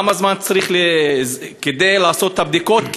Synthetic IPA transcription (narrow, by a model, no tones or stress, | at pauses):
mazmant͡saʁiχle | ked̪ejlaːso̞t̪ːabd̪iko̞t̪k